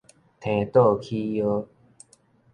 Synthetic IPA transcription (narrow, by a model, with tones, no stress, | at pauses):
t̪ʰẽ˨˩t̪o˥˧˨kʰi˦jo˦